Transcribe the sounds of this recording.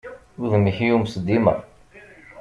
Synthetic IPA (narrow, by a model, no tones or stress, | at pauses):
uðmiçijumsəd̪imæ̰